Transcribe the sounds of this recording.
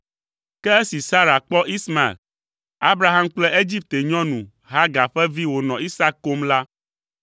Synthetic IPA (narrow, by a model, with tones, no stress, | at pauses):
kɛ˦e˦si˨sa˦ɾa˨k͡pɔ˦ʔi˦sma˨ḛ˨l | a˦bɾa˦ɦa˦mk͡plɛ˦e˦d͡ʑi˦p̚t̪e˨ɲɔ̃˦nũ˨ | ɦa˦ɡa˨ɸɛ˦vi˦wo˨nɔ̃˨i˦sa˦kːo˦mla˦